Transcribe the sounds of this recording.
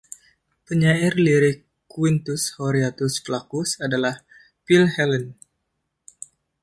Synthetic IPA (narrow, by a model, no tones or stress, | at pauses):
pəɲairliɾi | kwint̪ushoɾiat̪usflakusadalah | pilhɛlən